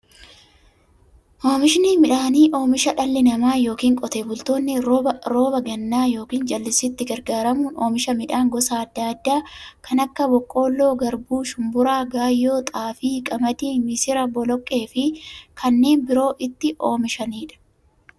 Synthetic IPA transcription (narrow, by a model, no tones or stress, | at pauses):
ʔo̞ːmɪʃɪniːmɪᶑaːniːʔo̞ːmɪʃɐᶑɐlːɪnɐmaːjo̞ːkiːŋkʼɔt̪eːbʊlt̪o̞ːnːɪɾo̞ːbɐɡɐnːaːjo̞ːkiːnd͡ʒɐlːɪsɪt̪ːɪɡɐɾɡaːɾɐmuːno̞ːmɪʃɐmɪᶑaːŋɡɔsaːd̪ːaːd̪ːaːkɐnɐkːɐbɔkʼːo̞ːlːo̞ːɡɐɾbuːʃʊmbʊɾaːɡaːjːo̞ːt̪ʼaːfiːkʼɐmɐd̪iːmɪsɪɾɐbɔlɔkʼːe̞ːfɪkʰɐnːe̞ːnbɪɾo̞ːʔɪt̪ːɪʔo̞ːmɪʃɐniːᶑɐ̥